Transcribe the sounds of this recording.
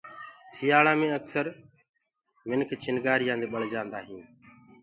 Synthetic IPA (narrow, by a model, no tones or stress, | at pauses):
sɪjaːɭaːmẽːəksəɾ | mɪnkʰt͡ʃɪnɡaːɾɪjãːnd̪eːɓəɭ̤d͡ʒãːnd̪aːɦiː